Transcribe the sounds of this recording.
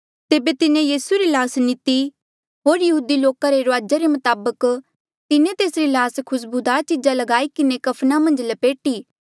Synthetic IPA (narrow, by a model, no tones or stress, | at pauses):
t̪eːbet̪ɪnẽjiːsuɾilaːsnɪt̪i | ɦoːɾjɐɦuːd̪iloːkaɾeɾʊaːd͡ʒaɾemɐt̪aːbək | t̪ɪnẽt̪eːsɾilaːskʰʊs̬bʊd̪aːt͡ʃɪd͡ʒalɐɡaːikɪnekɐpʰnamɐ̃nd͡ʒlɐpeːʈiː